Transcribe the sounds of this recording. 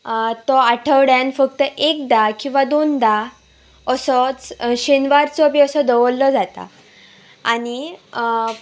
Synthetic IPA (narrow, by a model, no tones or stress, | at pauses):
t̪ɔaʈʰəʋɽjanfək̚t̪əʔek̚d̪akĩw̃ʋad̪ond̪a | əsɔt͡sɕenʋaɾt͡sɔbiəsɔd̪əʋlːɔd͡zat̪a̰ | a̰ɽ̃i